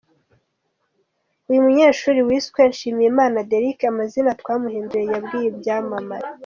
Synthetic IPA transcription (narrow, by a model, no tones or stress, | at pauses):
ujumuɲeːʃuːɾiwiːskwenʃiːmijemaːnadeɾikamazinatkwaːmuhiːnduɾejabɡiːjebjaːmamaɾi